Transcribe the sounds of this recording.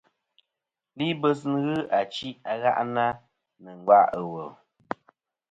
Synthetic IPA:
li˦bə˦s̬n˦ɣɨ˦a˨t͡ʃi˦a˨ɣa̰˦ʔna˦ | nɨ˨ŋ̩˨ɡa˦˨ʔə˨wə˨

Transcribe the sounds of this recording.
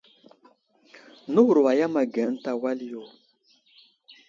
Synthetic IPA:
nu˦wu˨ɾwa˨ja˦ma˨ɡɛ˨˦n̩˦ta˦wa˦li˦jo˦˨

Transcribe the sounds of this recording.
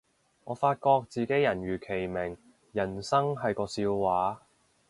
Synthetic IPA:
ŋɔː˨˧faː˧t̚kɔː˧k̚t͡siː˨˧ke˨˥jɐ˨˩nɥyː˨˩kʰe˨˩jmɪ˨˩ŋ | jɐ˨˩nsɐ˥ŋɦɐ˨jkɔː˧siː˧wwaː˨˥

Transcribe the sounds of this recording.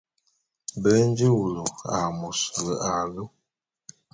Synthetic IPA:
bə˦n˦d͡ʒi˦wu˨lo˨a˨mo˨sə˨lə˨a˨lu˦

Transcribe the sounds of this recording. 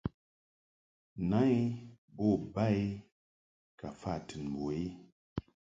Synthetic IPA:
na˦j | bɔ˦˨ba˦j | ka˨fa˦˨tɨ˨nbo˨i˦

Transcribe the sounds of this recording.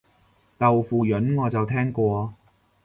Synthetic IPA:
k̪ɐ˨wfuː˨jɵ˨˥nŋɔː˨˧t͡sɐ˨wt̪ʰɛː˥ŋkʷɔː˧

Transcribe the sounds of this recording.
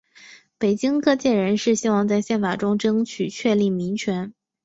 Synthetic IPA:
pe˨˩ɪt͡ɕi˥ŋkɤ˥˧t͡ɕjɛ˥˩ɻə˧˥nʂɻ̩˥˩ɕi˥wɑ˥˧ŋt͡sa˥˧ɪɕjɛ˥˩nfa˨˩ʈ͡ʂʊ˥ŋʈ͡ʂɤ˥ŋt͡ɕʰy˨˩t͡ɕʰɥɛ˥˧li˥˩mi˧˥ŋt͡ɕʰɥɛ˧˥n

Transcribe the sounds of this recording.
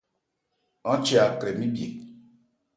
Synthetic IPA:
ɔ˦t͡ʃe˦a˨kɾe˨mi˦bje˨k̚

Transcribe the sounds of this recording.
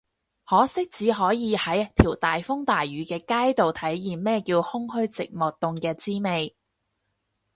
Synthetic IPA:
hɔː˨˥sɪ˥k̚t͡siː˨˥ɦɔː˨˥jiː˨˧hɐ˨˥jt̪ʰiː˨˩wt̪aː˨jfʊ˥ŋt̪aː˨jɥyː˨˥kɛː˧kaː˥jt̪o˨wt̪ʰɐ˨˥jːiː˨˩mmɛː˥kiː˧whʊ˥ŋhɵ˥ɥt͡sɪ̰˨k̚mɔː˨˩k̚t̪ʊ˨ŋkɛː˧t͡siː˥me˨j

